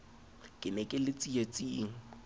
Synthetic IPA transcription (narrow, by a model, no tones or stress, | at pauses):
kʼɪnɛkʼɪlɪt͡sʼiat͡sʼiːŋ̩